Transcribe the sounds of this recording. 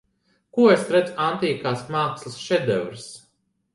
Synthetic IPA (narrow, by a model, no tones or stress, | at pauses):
kuɔesɾɛd̪zuant̪iːkaːsmaːkslˠɨsʃɛd̪ɛvɾs